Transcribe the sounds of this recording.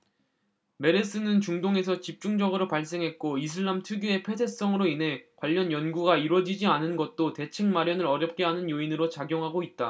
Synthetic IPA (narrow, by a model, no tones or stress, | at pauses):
me̞ɾes͈ɯnɯnt͡ɕuŋdoŋe̞sʰʌt͡ɕip̚t͡ɕ͈uŋd͡ʑʌɡɯɾopaɭs̬͈e̞ŋɦe̞t̚k͈oisʰɯɭːamtʰuɡjue̞pʰe̞s̬ʰe̞s͈ʌŋɯɾoinɦe̞kwaʎːʌnjʌnɡuɡaiɾwʌd͡ʑid͡ʑianɯnɡʌt̚t͈ote̞t͡ɕʰɯŋmaɾjʌnɯɾʌɾjʌp̚k͈e̞ɦanɯnjoinɯɾot͡ɕaɡjoŋɦaɡoit̚t͈a